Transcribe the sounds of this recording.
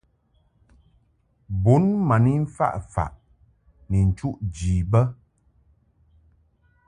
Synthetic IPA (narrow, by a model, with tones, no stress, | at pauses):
bu˨˦nma˨ni˦ɱ̩˦fa̰˦˨ʔfa̰˨ʔ | ni˨n̩˨t͡ʃu˦ʔd͡ʒi˨bə˦